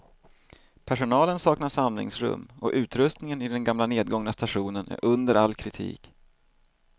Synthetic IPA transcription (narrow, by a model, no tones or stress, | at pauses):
pʰæʂʊnɑːlənsɑːknaʂamlɪ̰ŋsɾɵ̰mːɔʔʉ̟ːt̪ɾɵst̪nɪŋənɪd̪ɛnɡamlaneːd̪̚ɡɔŋnast̪aɧuːnənæ̰ɾʔɵnd̪əɾalːkʰɾɪt̪ʰḭːk